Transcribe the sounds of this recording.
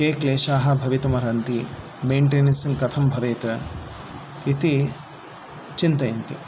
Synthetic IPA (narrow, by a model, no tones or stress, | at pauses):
keːkleːʃaːɦɐ̆bʱɐʋit̪umɐɾɐnt̪i | meːɳʈeːnɐsiŋkɐt̪ʰɐmbʱɐʋeːt̪ɐ | it̪i | t͡ʃint̪ɐjɐnt̪i